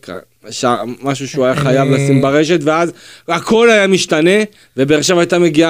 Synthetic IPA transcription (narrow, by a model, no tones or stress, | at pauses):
ka̰ | ʃamaʃ̬uʃeuajaχajavlasimbaʁe̞ʃet̪veazakʰo̞lajamiʃt̪ane̞ | ve̞beːʁʃevajt̪ame̞ɡia